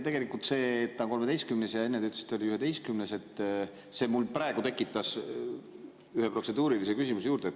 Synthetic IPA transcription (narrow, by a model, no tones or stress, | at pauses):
t̪e̞ɡe̞likːˑult̪se̞ːt̪ːɑnkome̞d̪e̞jst̪kymnesjɑenːed̪yt̪ːˑe̥si̥t̪ːolʲiyɦe̞d̪ejst̪kymnese̞t̪ːˑ | se̞ːmulpɾɑeɡut̪e̞kːˑit̪ːˑɑs | yhepro̞t̪se̞d̪̥uːɾilise̞kysimusejuːɾd̪et̪